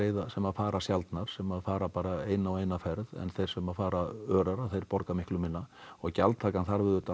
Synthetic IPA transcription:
eːjðasɛmaðfaːɾasjalt̪naɾ̥sɛmaðfaːɾapaːɾaeːjnawejnafɛɾðɛ̰nθejr̥sɛmaðfaːɾaœːɾaɾaθejɾpɔɾkamɪhklʏmɪnːaɔɣca̰lt̪ʰːaːkanθaɾvɪðʏːt̪a

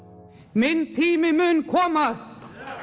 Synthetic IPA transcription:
mɪnt̪ʰiːmɪmʏnkʰɔːma

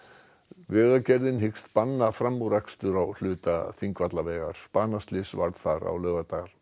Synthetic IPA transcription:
vɛːɣacɛɾðɪnɦɪkst̪panːafɾamːuɾakst̪ʏɾawl̥ʏːt̪aθiŋkvat̪lavɛːɣa̰ɾ̥paːnast̪lɪsva̰ɾð̥θaɾa̰wlœːɣat̪aːɣɾ

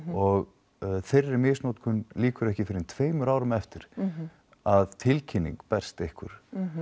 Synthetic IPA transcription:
ɔɣ | θejrːɪmɪːsnoːt̪kʰʏnliːkʏɾɛhcɪfɪɾɪnt̪ʰveːjmʏɾaːwɾʏmɛft̪ɪɾ̥ | aðt̪ʰɪlcʰɪnːḭŋkpɛr̥st̪ehkʏ̰ɾ̥

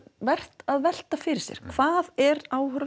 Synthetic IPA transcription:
vɛr̥t̪aðvɛl̥t̪afɪɾɪ̥sjɛ̰ɾ̥kʰv̥aːðɛɾaːwhœɾ

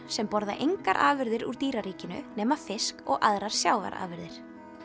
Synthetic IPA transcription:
sɛmpɔɾða̰ʔejŋkaɾʔa̰ːvɪɾðɪɾṵɾ̥t̪iːɾaɾiːcɪnʏ̰nɛːmḁfɪskɔɣʔaðɾaɾ̥sjaːwva̰ɾa̰ːvɪɾðɪɾ̥

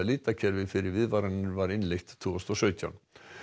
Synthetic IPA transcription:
liːt̪acʰɛɾvɪfɪɾɪɾvɪðvaɾanɪɾvaɾɪnlɛjxt̪t̪ʰːuːɔst̪ɔsœːɥt̪ʰja̰wn

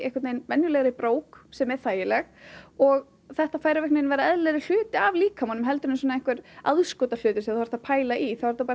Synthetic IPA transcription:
ɛhkat̪nejnvɛnjʏlɛɣɾɪpɾoːwksɛmɛɾ̥θaːjɪlɛɣɔɣ | θɛht̪afaːjɾavɛhknɪnvajɾaɛðlɛɾɪl̥ʏːt̪ɪavliːkʰamɔnʏmɦɛlt̪ʏɾnɪs̬ɔnaɛŋkvʏɾaðskɔːt̪al̥ʏːt̪ɪ̥sɛaðahaɾ̥θapʰaːjlaʔiθawvaɾθapa

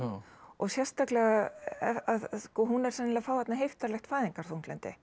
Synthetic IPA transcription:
ɔɣsjɛst̪aklɛɣa | aðskɔːɦunɛɾsɛnːɪlɛafaːwðɛt̪naɦejft̪aɾlɛxt̪faːðiŋkaɾ̥θuŋt̪lɛnt̪ɪ̰

